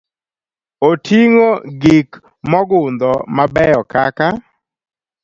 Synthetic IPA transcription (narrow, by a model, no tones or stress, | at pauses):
otʰiŋoɡik | mɔɡʊnd̪ɔmabɛjɔkaka